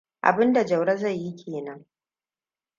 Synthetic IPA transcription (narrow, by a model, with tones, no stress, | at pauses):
ʔa̰˨bɪ˦nda˨d͡ʒɐ˨wɽɐ˦za˦˨jːi˦kʲʰeː˨nɐ˦ŋ